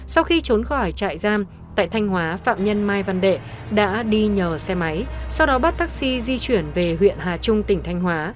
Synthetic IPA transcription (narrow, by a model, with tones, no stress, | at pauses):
sa˧wxi˧t͡ɕo˨˦nxɔ˧˩jt͡ɕa̰ː˧˨jzaː˧m | t̪a̰ː˧˨jt̪ʰa˧jŋhwaː˨˦fa̰ː˧˨mɲə˧nmaː˧jva˧nɗḛ˧˨ | ɗa̰ː˧˥ɗi˧ɲəː˨˩sɛ˧ma˨˦jsa˧wɗɔ˨˦ɓa˦˥t̚t̪ʰa˦˥k̚si˧zi˧t͡ɕwi˧˩ənve˨˩ɦwḭ˧˨ənɦaː˨˩t͡ɕʊ˧ŋ͡mt̪ï˧˩ŋ̟t̪ʰa˧jŋ̟ɦwaː˨˦